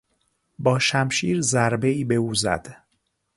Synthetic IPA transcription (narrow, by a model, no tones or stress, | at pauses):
bɒːʃæmʃiːɾzæɾbeiːbe̞uːzæ̰d̪̥